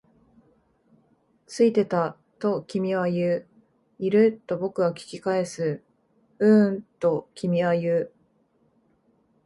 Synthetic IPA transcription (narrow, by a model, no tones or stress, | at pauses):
t͡sɨit̪e̞t̪a | t̪o̞kʲimʲiβajɯː | iɾɯ̟t̪ːo̞bo̞kɯ̟βakʲi̥kʲikae̞sɨ | ɯ̟̃t̪o̞kʲimʲiβajɯː